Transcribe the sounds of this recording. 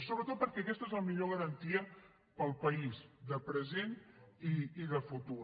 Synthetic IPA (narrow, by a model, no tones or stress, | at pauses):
soβɾət̪ot̪̚pəɾkɛəkɛst̪əezləmiʎoɣ̞əɾənt̪iə | pəlˠpəizðəpɾəzeniːðəfut̪u